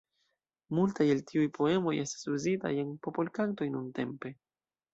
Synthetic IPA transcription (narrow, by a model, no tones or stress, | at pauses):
multajeltiujpʰo̞e̞mo̞jʔe̞stḁsuzita̰je̞npo̞po̞lkakto̞jnunte̞mpe̞